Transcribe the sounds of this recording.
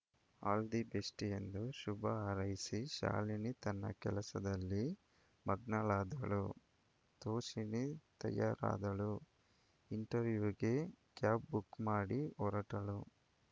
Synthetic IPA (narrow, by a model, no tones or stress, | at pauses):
aːld̪ibesʈijend̪uʃubɐaːɾɐjisiʃa̰ːlinit̪ɐnːɐ̰kɛlɐsɐd̪ɐlːi | mɐɡnɐlaːd̪ɐɭu | t̪oːʃinit̪ɐ̰jaːɾa̰ːd̪ɐɭu | iɳʈɐɾʋjuːɡe̞kjaːp̚bukːmaːɽiɔɾɐʈɐɭu